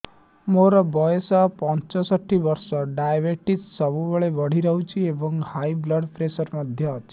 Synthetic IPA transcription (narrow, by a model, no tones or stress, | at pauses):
moɾɔbɔjesɔpɔnt͡ʃɔsɔʈʰːibʌɾsɔɖajbeʈissʌbubeɭebʌɽ̤iɾʌɦut͡ʃʰiebɔŋhajblɔɖpʰɾesɔɾmʌd̪ʱjʌt͡ʃʰ